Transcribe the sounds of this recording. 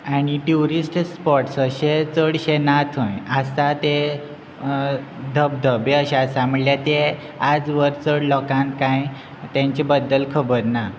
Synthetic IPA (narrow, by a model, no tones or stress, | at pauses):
aɽ̃iʈuɾisʈspɔʈsəɕet͡səɽɕenat̪ʰõjəst̪at̪e | d̪ʱəb̚d̪ʱəbeəɕasãməɭljat̪e | ad͡zʋəɾt͡səɽlɔkãnkãj | t̪jãɲt͡ɕebəd̪ːəlkʰəbəɾna